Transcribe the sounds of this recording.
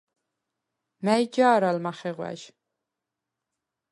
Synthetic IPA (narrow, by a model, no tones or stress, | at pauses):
mæjd͡ʒaːɾalmaχɛʁwæ̰ʒ